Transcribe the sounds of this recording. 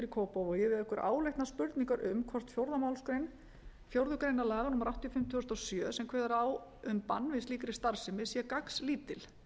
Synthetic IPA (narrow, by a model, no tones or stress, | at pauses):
ɪɾikʰɔːpɔvɔjɛvɪðɛhkʏɾʔa̰ːwlejht̪naspʏɾt̪niŋkaɾʔʏmkʰvɔr̥t̪fjowɾðamawlskɾejn | fjowɾðʏkɾejnalaːɣanʊhmːaɾawht̪ijɔfɪm̥t̪ʏʏst̪ɔsjœːsɛmkʰvɛːðaɾaːw | ʏmpa̰nːvɪsliːkɾɪst̪aɾ̥sɪmɪsiɛkaksliːt̪ɪl